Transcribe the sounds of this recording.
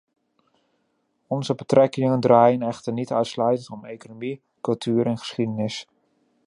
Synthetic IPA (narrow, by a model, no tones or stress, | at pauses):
ɔnzəbətrʔɛkɪŋəndraːjənɛxtərnitœɥtslœɥtəntɔmejkonomi | kɵlˠtʰyːɾɛnχə̥sχidənɪs